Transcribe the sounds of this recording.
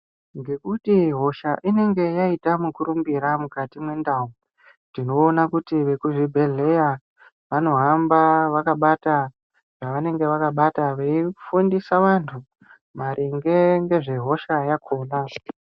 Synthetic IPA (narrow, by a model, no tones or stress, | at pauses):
ŋɡe̞kutiɦo̞ʃaʔine̞ŋɡe̞jaitamukuɾumbiɾamukatimwe̞ndau | ndino̞ːnakutiʋe̞kuʐibʱe̞ɮe̞ja | ʋano̞ɦambaʋakaɓata | ʐ̥aʋane̞ŋɡe̞ʋakaɓataʋeifundisaʋantʰu | maɾʔiŋɡe̞ŋɡe̞ʐe̞ɦo̞ʃajakʰoːna